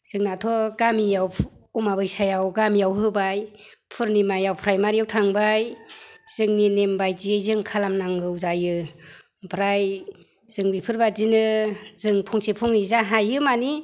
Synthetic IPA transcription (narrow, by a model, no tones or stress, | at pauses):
z̥ɯŋnatʰɔɡamijawumabɯjsajawɡamijawɦɯbaj | pʰɯɾnimajawpʰɾajmaɾijawtʰaŋbajz̥ɯŋninembajziejzɯŋkʰalamnaŋɡɯwzajɯ | bɾaj | z̥ɯŋbipʰɯɾbazinɯzɯŋpʰɔŋsepʰɔŋnizaɦajɯmani